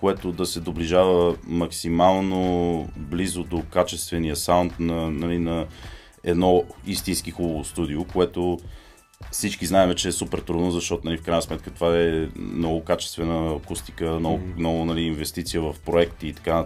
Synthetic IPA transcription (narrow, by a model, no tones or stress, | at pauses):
koɛt̪od̪ɐsɛd̪obliʒavəmɐksimalˠnoblizod̪okat͡ʃɛst̪vɛnijəsawnt̪nɐnɐlinɐ | ɛd̪nɔist̪inskixubovost̪ud̪iokoɛt̪o | fsit͡ʃkiznaɛmɛt͡ʃɛːsupɛɾt̪ɾud̪nozɐʃt̪ɔt̪ʊnɐlifkɾajnəsmɛt̪kət̪ovaɛnɔɡʊkat͡ʃɛ̥st̪vɛnəːkust̪ikənɔnɔɡʊnɐliːnvɛst̪it̪sijəvɐfpɾoɛkt̪iːt̪ɐ̥kanə